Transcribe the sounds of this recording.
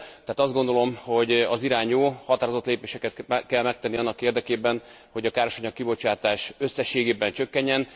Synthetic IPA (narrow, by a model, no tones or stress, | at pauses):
t̪ɛɦːt̪ɒzd̪ɡo̞nd̪o̞lo̞mho̞ɟɒziɾaːɲoːhɒt̪aːɾozot̪leːpeːʃɛkɛt̪kɛlmɛk̚t̪ɛnːiɒnːɒkeːrd̪ɛkeːbɛn | ho̞ɟɒkaːɾaʃɒɲɒkːibo̞t͡ʃaːt̪aːʃø̞sːɛʃːeːɡeːbɛnt͡ʃø̞kːɛɲːɛn